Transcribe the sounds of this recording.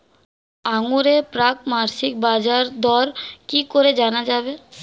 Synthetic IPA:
aŋuɾepɾak̚maːɾsik̚baːd͡ʒaɾd̪ɔɾkikoɾed͡ʒaːnad͡ʒaːbe

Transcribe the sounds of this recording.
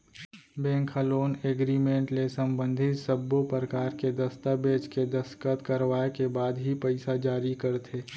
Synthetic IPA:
bɛ̃ːŋkʰəloːneːɡɾimẽːɳʈlesɐ̃mbə̃nd̪ʱɪt̪səbːopəɾkaːɾked̪ɐst̪abeːt͡ʃked̪ɐskət̪kɐɾʋaːekebaːd̪ɦipɛɪsad͡ʒaːɾikɐɾt̪ʰeː

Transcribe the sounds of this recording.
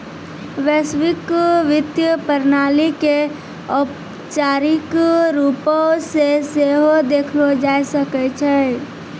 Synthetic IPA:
ʋeswɪkʋɪd̪jəpəɾnaːlike | ɔp | t͡ʃaːɾɪkɾuːpõseseːɦod̪eːkʰlod͡ʒaːjsəkɛt͡ʃʰɛ

